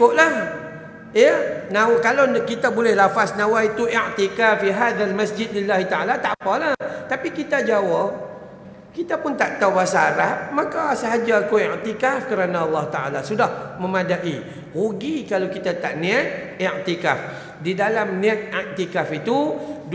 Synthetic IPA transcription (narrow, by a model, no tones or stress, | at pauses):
kʊʔlah | jənawkalawkit̪abolɛhlafasnãwait̪uiʕt̪ikafiɦaðalmasd͡ʒɪd̪̚lilːahit̪aalat̪apalaht̪apikit̪ad͡ʒawa | kit̪apʊnt̪aʔt̪awbasaaɾap̚makasəɦad͡ʒaːkuiʕt̪ikafkəɾanãɑlˠːɑht̪aʔa̰lasudahmə̃madaʔi | huɡikalakit̪at̪aʔnĩat̪̚ | iʔt̪ikaf | didalamnĩat̪̚iʔt̪ikafit̪ud